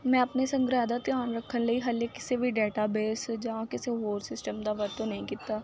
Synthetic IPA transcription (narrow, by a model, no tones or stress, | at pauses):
mɛ̃ːəpnesə̃ŋɡɾaːd̪aːt̪jaːnɾəkʰːənləiːɦəlekɪ̥sebʱiɖeːʈaːbeːsd͡ʒakɪseɦoːɾsɪsʈəmd̪aːʋəɾt̪õnəĩːkɪt̪ːaː